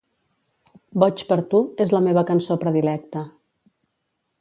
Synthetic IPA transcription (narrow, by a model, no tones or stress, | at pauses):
bɔt͡ʃpəɾt̪uezləmeβəkənsopɾəðilɛk̚t̪ə